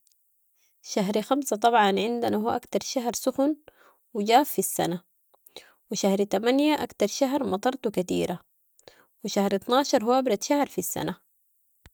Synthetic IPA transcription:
ʃaɦɾxamsat̪ˤɑbʕɑnʕɪnd̪anahuːʔakt̪ɑɾˤʃaɦɾsʊxun | wid͡ʒaːffisːa̰na | wiʃahɾt̪amanjaʔakt̪ɑɾˤʃaɦɾmɑt̪ˤɑɾˤt̪ukat̪ḭːɾa | wiʃahɾɪt̪nɑːʃɑɾˤhuːabɾˤɑt̪ʃahɾfisːa̰na

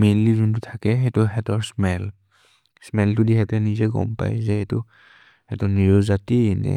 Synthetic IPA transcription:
menlizuntʊtʰakɛɦetʊɦɛtɔɹsmɛl | smɛldudiɦɛtɛnizɛɡɔ̰mpa̰jzɛhetʊ | hɛtɔniɹɔzatinɛ̰

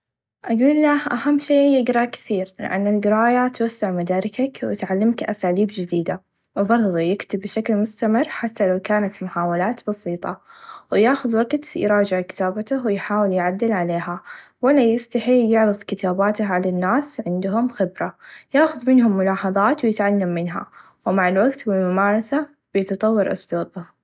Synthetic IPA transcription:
ʔaɡuːlːahʔahamːʃeːjɪɡɾˤɑkɪ̥θiːɾlɪ̰ʔa̰nːalɡɪɾˤɑːjat̪wasːɪʕmad̪aːɾɪkakwɪ̰t̪ʕalːɪmkʔasaːliːbd͡ʒɪd̪iːd̪a | wbɑɾˤðˤjɪkt̪ɪbːʃaklmʊst̪amɪrːħat̪ːalawkaːnat̪mʊħaːwalaːt̪bɑsiːt̪ˤɑ̰wjaːxʊðwaɡt̪jɾˤɑːd͡ʒɪʕkɪ̥t̪aːbat̪ʊwɪjħaːwɪljʕad̪ːɪlʕaleːɦawɪlːajɪst̪aħiːljɪʕɾɨðˤkɪt̪aːbaːt̪ahʕalanːaːsʕɪnd̪ɦʊmxɪbɾajaːxʊðmɪnɦʊmːʊlɑːħɑðˤɑːt̪wjɪt̪ʕalːamːɪnɦa̰ | wmaʕɪlwaɡt̪bɪlmʊmaːɾˤɑsa | b̥ɪjɑt̪ɑt̪ˤɑwːɑɾˤʔʊ̰sluːbʊ

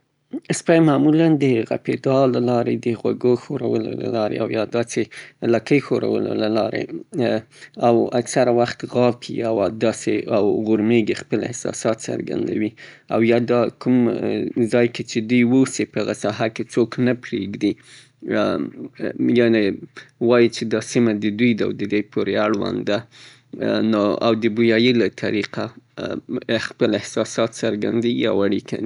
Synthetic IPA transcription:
spajmamuland̪əɣa̰ped̪ɑlːalɑɾed̪əɣwa̰ɡoxoɾa̰wəlo̰la̰lɑɾḛawjɑd̪ɑselakəjxoɾa̰wə̰lo̰lalɑɾḛ | awaksaɾawaxt̪ɣɑkʰiawɑd̪ɑseawɣʊɾmeɡexpəlɪ̰hsɑ̰sɑt̪sa̰ɾɡa̰nd̪a̰wi | awjɑd̪ɑkʰumzɑjket͡ʃed̪ujwusepəaɣasɑɦaket͡soknapɾeɡd̪i | jɑnewɑjit͡ʃed̪ɑsimad̪əd̪ujd̪awd̪əd̪ejpʰoɾeaɽwa̰nd̪a | noa̰wd̪əbujɑjilat̪ʰaɾiqa | ɪxpəlɪhsɑsɑt̪saɾɡa̰nd̪eɡia̰waɽikʰa̰n

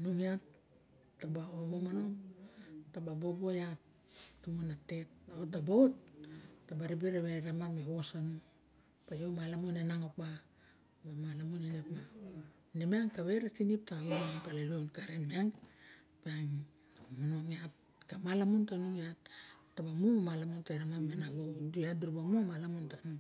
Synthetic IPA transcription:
nuŋiatː | abaobomano̞m | tababobo̞jat | tumonate̞taotːabootː | abaɾibiɾaβeɾamameosanu | pajomalamunenaŋok̚ba | bamalamunenepma | nimaŋkaβeɾatinip̚taunaapalalonkaɾenmiaŋ | paŋ | munoŋiap | kamalamuntanuŋiattabamumalamuntaɾamamenaɡodujaduɾubamumalamuntanu

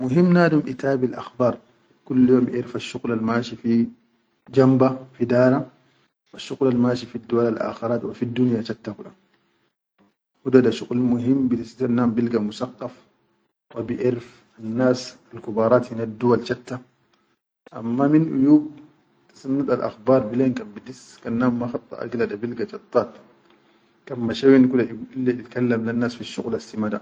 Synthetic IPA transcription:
muɦimːnaːdumʔit̪aːbilʔa̰xbɑːɾˤ | kulːjɔːmbiʔɪɾfaʃːuqlalmaːʃifi | d͡ʒambafid̪aːɾa | waʃːuqlalmaːʃifid̪ːuwalalʔa̰ːxɪɾˤaːt̪wafid̪ːunjat͡ʃat̪ːakuɗa | hud̪ad̪aʃuqlmuɦimːbitasit̪anːaːmbilɡamusaqːɑf | wabiʔɪɾf | anːaːsalkubɑːɾˤɑːt̪minad̪ːuwalt͡ʃat̪ːa | ʔamːaminʔujuːb̚ | t̪ḁsanːud̪alʔa̰xbɑːɾˤbileːnkambid̪is | kanːaːmːaxɑt̪ˤːɑ̰ʔa̰ɡlad̪abilɡat͡ʃɑt̪ˤːɑːt̪ | kamːaʃawinkulalːiit̪kalːamlanːaːsfiʃːṵɣlasimad̪a

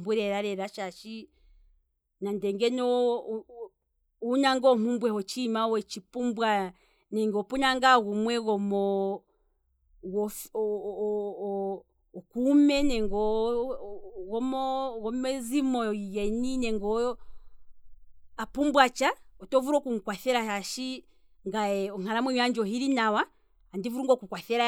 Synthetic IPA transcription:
mbuɾɛɾaɾɛɾaʃaʃi | nandɛŋɡɛnɔ | unaŋɡɔmumbwɛhɔt͡ʃimawɛt͡ʃipumbwa | nɛŋɡɔpunaŋɡaɣumwɛɣɔmɔ | wɔ | kumɛnɛŋɡɔ | ɣɔmɔɣɔmɛzimɔjɛninɛŋɡɔ | apumbwat͡ʃaɔtɔvuɾɔkuŋ̩kwaθɛɾahaʃi | ŋɡaɛɔŋ̥aɾamwɛɲaɲd͡ʒɔɦiɾinawaː | ndivuɾuŋɡɔkukwaθɛɾa

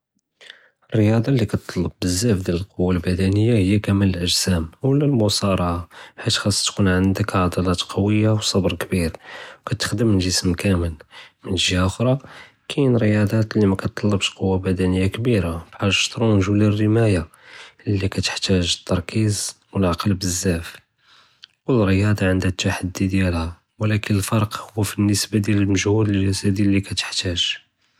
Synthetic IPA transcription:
ərːjɑd̪ˤɑlːikæt̪ʰˤːɑlːəb̚ːəzːæfd̪jæləlqowːalbæd̪ænəjːahəjːakæmələlʔəʒsæmwəlːælmʊsɑɾˤɑʕaħit̪xɑsˤːt̪kunʕənd̪əkʕɑd̪ɑlɑt̪qɑwəjːawsˤɑbɾˤkbiɾwkæt̪ːə̥xd̪əmənʒəsmkæməlmənʒjaʔʊxɾˤɑ | kʰinɾəjɑd̪ˤɑt̪lːimækæt̪ˤːɑlːəbʃqowːabæd̪ænəjːakbiɾabħaʒʃt̪ɾˤunəʒulirːəmæja | lːikæt̪ə̥ħt̪æʒət̪ʰːɑɾˤkiz | wəlʕɑqəlbəzːæf | wəlɾəjɑd̪ˤɑʕənd̪æt̪ːaħad̪ːid̪jælhæ | wlækənəlfɑɾˤqhʊwːfinːəsbad̪jæləlməʒhud̪ləæsæd̪ilːikæt̪ə̥ħt̪æʒ̥

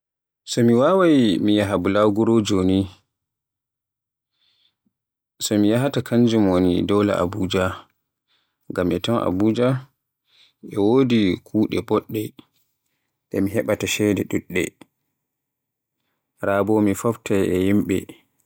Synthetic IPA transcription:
sɔmiwawajmijaɦabulaɡuɾɔd͡ʒoːni | sɔmijaɦatakʰaɲd͡ʒumonidɔwla̰ʔa̰buːd͡ʒa | ŋɡamʔɛtɔnʔa̰buːd͡ʒa | ʔɛwodikʰuːɗɛbɔɗːɛ | ɗɛ̰miɦɛɓataʃɛdɛɗuɗːɛ̰ | ɾaːbɔmifɔftaɛjimɓɛ̰

